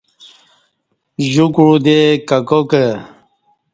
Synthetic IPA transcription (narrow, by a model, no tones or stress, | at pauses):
ʑukɻud̪ekakokə